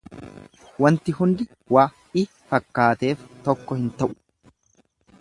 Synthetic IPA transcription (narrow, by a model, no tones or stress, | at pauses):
wɐnt̪ɪhʊnd̪ɪ | waː | ɪ | fɐkːaːt̪e̞ːft̪ɔkːɔhɪnt̪ɐʔʊ̥